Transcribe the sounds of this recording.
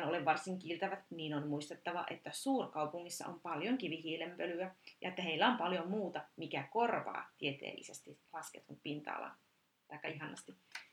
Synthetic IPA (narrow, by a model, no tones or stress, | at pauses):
noleʋʋɑrsiŋkilt̪ɑʋæt̪niːnonmuist̪et̪ːɑʋɑ̰ʔet̪ːæsuːrkɑupuŋːisːɑ̰ompɑljoŋkiʋihiːlempølyæjɑet̪ːæheilːæompɑljomuːt̪ɑmikækorʋɑ̰ːt̪iet̪ḛːlːḭsest̪ilɑsket̪unpint̪ɑ̰ːlɑ̰n | t̪ɑikːɑiɦɑnɑst̪i